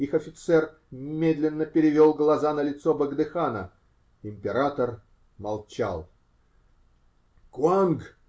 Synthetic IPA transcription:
ixɐfʲɪt̪sɛr | mʲed̪lʲɪnːəpʲɪɾʲɪvʲolˠɡlˠɐzanəlʲɪt̪sobəɡd̪ɨxanə | ɪmʲpʲɪɾat̪ər | mɐlˠt͡ɕa̰lˠ | kʊanɡ

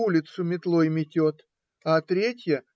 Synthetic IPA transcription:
ulʲɪt̪sʊmʲɪt̪lˠojmʲɪtʲot̪ | at̪ɾʲetʲjə

